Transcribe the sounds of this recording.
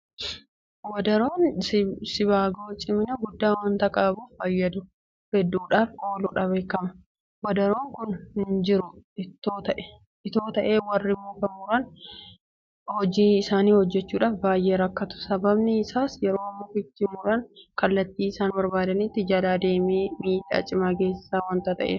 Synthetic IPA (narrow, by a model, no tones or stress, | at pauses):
wɐd̪ɐɾoːnsɪbaːɡo̞ːt͡ʃʼɪmɪnɐɡʊd̪ːaːwɐnt̪ɐkʼaːbuːfɐjːɐd̪ʊ | hɛd̪ːuːᶑaːfkʼoːlʊːᶑɐbe̞ːkːɐmɐ | wɐd̪ɐɾo̞ːŋkʊnnd͡ʒɪɾʊɪt̪ːoːt̪ɐʔɛ | ʔɪt̪o̞ːt̪ɐʔe̞ːwɐrːɪmːoːkɐmʊɾɐn | hɔd͡ʒiːɪsaːniːhɔd͡ʒːɛt͡ʃːuːᶑaːfbaːjʔeːɾɐkːɐt̪ʊ̥sɐbɐbnɪɪsaːsjɛɾo̞ːɐmːokɪt͡ʃːɪmʊɾɐnkɐlːɐt̪ːiːɪsaːnbɐɾbaːd̪ɐnit̪ːɪd͡ʒɐlaːd̪e̞ːmeːmiːt̪ːa̰ːt͡ʃʼɪmaːɡe̞ːsɪ̥saːwɐːnt̪ɐt̪ɐ̰ʔḛː